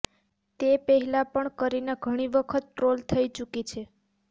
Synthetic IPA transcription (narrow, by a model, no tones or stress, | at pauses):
t̪epəɦɛlãpəɳkəɾineɡʱəɽ̃iʋəkʰət̪̚ʈɾolt̪ʰəjt͡ʃukit͡ʃʰe